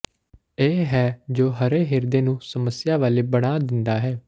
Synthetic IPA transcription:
eːɦɛːd͡ʒoːɦəɾeːɦɪɾd̪eːnũːsəməsjaːʋaːleːbəɽaːd̪ɪnd̪aːɦɛː

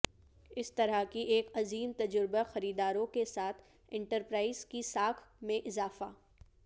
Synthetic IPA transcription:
ɪst̪ɐɾəkiʔeːkɐziːmt̪ɐd͡ʒʊɾbaxɐɾiːd̪aːɾõkesaːt̪ʰ | ɪ̃ɳʈəɾpɾaːɪzkisaːkʰmẽʔɪzaːfaː

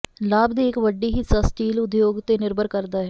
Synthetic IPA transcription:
laːbd̪iːɪkʋəɖːiːɦiːsəsʈiːlʊd̪joːɡt̪eːnɪɾbəɾkəɾd̪aːɦɛ

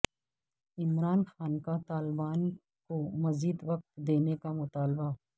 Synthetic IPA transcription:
ɪmɾaːnxaːnkat̪aːlbaːn | komɐziːd̪ʋɐk̚t̪d̪eːnekamʊt̪aːlba

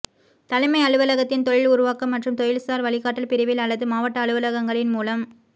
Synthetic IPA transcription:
t̪ɐlɐɪmɐɪɐɭɯʋɐlɐɣɐt̪ːɪnt̪ɔɻɪlʊɾʊʋaːkɐmːɐʈrɯmt̪ɔjɪlsaːɾʋɐɭɪɣaːʈːɐlpɪɾɪʋɪlɐɭːɐðɯmaːʋɐʈːɐːɭɯʋɐlɐɣɐŋɡɐɭɪnmuːlɐm

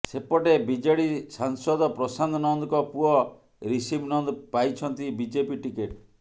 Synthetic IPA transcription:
sepɔʈebid͡ʒeɽisaŋsɔd̪ɔpɾɔsand̪nɔnd̪ɔkɔpuɔ | ɾisibnɔnd̪pajt͡ʃʰɔnt̪ibid͡ʒepiʈikeʈ

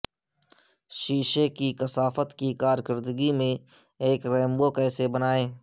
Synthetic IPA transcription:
ʃiːʃekikəsaːfət̪kikaːɾkəɾd̪əɡimẽ | eːkɾɛːmbokɛːsebənaːẽː

